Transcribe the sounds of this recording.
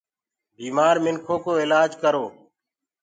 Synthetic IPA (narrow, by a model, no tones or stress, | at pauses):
biːmaːɾmɪŋkʰoːkoːɪlaːd͡ʒkəɾoː